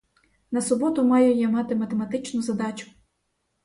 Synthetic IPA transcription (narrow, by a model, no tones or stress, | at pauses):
nɐsʊbɔt̪ʊmɑjɛjɛmɑt̪ɪmɐt̪emɐt̪ɪt͡ʃnʊzɐd̪ɑt͡ʃʊ̥